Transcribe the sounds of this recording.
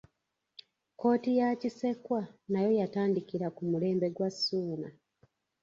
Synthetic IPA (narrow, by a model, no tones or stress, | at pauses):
ko̞ːtijacise̞kwanajo̞jataːndikiɾakumule̞ːmbe̞ɡwasːuːna